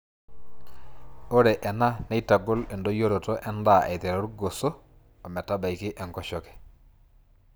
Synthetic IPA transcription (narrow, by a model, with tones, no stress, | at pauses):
o˦ɾɛ˨ʔɛ˨na˦nɛ˦jta˨ɡɔ˦lɛ˨ndo˦jo˦ɾo˨tɔ˦ʔɛ˦nda˦˨ʔɛ˨t̪ɛ˨ɾɔ˦ɾuɡo˨sɔː˦˨ | mɛ˨ta˦ba˨jkɪ˦ʔɛ˨ŋkɔ˦ʃɔ˦kɛ̥˨